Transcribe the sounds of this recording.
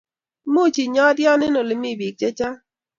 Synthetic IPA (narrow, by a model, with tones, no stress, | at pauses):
mo˦˨t͡ʃi˨ɲɔ˦djɔ˦nɪ˦no˨le˨mi˦˨bi˨k̚t͡ʃe˦t͡ʃa˦